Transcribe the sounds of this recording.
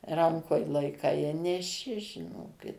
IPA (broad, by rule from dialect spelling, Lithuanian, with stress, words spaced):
ˈrɐŋkoːj lˠɐɪˈkɐɪ ɪ nʲɛˈʃʲɪ ʒʲɪˈnoːkʲɪt